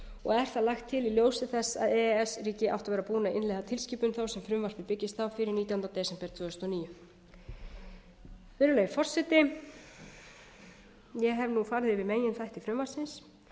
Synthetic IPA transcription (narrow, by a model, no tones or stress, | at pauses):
ɔɣɛɾ̥θaðlaxt̪ʰːɪliljoːwsɪθɛsːa̰ðɛɛsriːcɪʔa̰wht̪avɛɾapuːnaɪnlɛːɣat̪ʰɪlsciːpʏnθawsɛmfɾʏmvar̥vɪpɪcːɪst̪awfɪɾɪɾniːt̪jawhnawt̪ɛːsɛmpɛɾt̪ʰv̥ʏːðʏst̪ɔniːjʏ | vɪːɾʏleːjɪɾfɔr̥sɛt̪ɪ | jɛɦɛvnufaɾðɪvɪðmeːjɪnθajht̪ifɾʏmvar̥sɪns